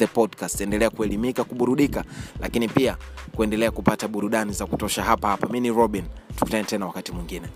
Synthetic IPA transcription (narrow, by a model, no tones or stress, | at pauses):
ɛpɔdkastɛndɛlɛakuɛlimikakuɓuɾuɗikalʔa̰kinipiakuɛndɛlɛakupataɓuɾuɗanizaku̥tɔʃaɦapahapaminiɾɔɓintu̥ku̥tanɛtɛnawakatimwiŋɡinɛ